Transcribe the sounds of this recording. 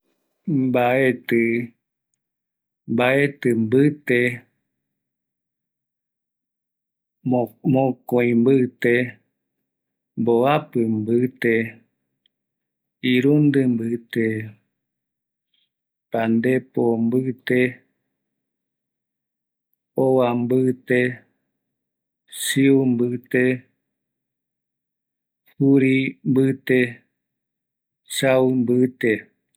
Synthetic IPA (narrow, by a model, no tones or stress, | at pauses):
mbaet̪ɨ | mbaet̪ɨmbɨt̪e | mõkoĩmbɨt̪e | mboapɨmbɨt̪e | iɾund̪ɨmbɨt̪e | pand̪epombɨt̪e | owambɨt̪e | siumbɨt̪e | huɾimbɨt̪e | sawmbɨt̪e